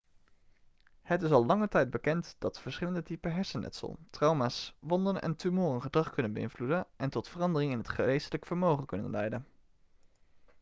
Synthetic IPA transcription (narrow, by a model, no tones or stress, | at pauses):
hətɪsɑlˠlɑŋətɛjd̚bəkɛntd̥ɑtfəɹsχɪləndətipəɦɛɹsənʔɛ̰tsə̰lˠtrɑwmaːsʋɔndənɛ̰ntymoːrənχədrɑχkɵnənbəɪ̰nvludənʔɛntɔtfərɑndərɪŋɪnɦətχərejstələkfəɹmowχənkɵnə̰nlɛjdən